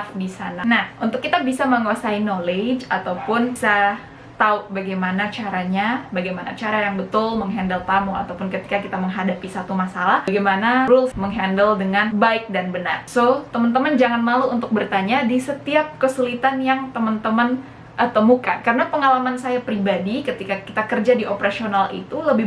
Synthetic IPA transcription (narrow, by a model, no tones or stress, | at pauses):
fdisananahunt̪ʊkːit̪abisaməŋuasainoled͡ʒat̪awpʊnsa | t̪aubaɡajmanat͡ʃaɾaɲabaɡajmanat͡ʃaɾajaŋbət̪ʊlməŋɦɛndəlt̪amua̰t̪awpʊnkət̪i̥kakit̪aməŋɦadapisat̪umasalahɡajmanaɾʊlməŋɦɛndəldəŋanbaɪk̚danbəna̰rsot̪əmənt̪əmənd͡ʒaŋanmaluunt̪ʊk̚bərt̪aɲadisət̪iap̚kəsulit̪anjaŋt̪əmənt̪əmən | ʔət̪əmuka̰nkaɾənapəŋalamansajapɾibadikət̪ikakit̪akərd͡ʒadiʔopəɾasionalʔḭt̪uləbɪ